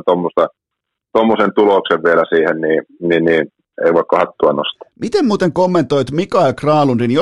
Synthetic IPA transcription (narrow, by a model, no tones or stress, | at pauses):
t̪omːost̪ɑ | t̪omːosent̪ulokseʋʋielæsiːhenniːninniː | ḛˑiʋɑˑikːɑhɑt̪ːuɑnost̪ɑ̥mit̪emmuːt̪eŋkomːent̪oit̪mikɑilkrɑːlunrinjo